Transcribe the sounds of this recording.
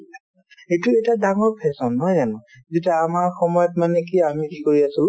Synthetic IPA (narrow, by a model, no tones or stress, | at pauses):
etuejtadaŋɔɹpʰɛsɔnːɔjzanɔ | zitaːmaɹxɔmɔjɔtmanɛkiamikikoɹiasil